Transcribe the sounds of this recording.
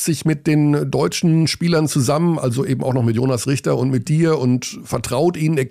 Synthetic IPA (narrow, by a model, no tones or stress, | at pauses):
z̥ɪçmɪt̚d̥eːndɔʏt͡ʃn̩ʃpiːlɐnt͡suzamənʔa̰lzoʔeːbm̩aʊxnɔχmɪtjo̰ːnasʁɪçtɐʊntmɪt̚d̥iːɐʊntfɛɐtʁ̥aʊtʔiːnənɛːɐ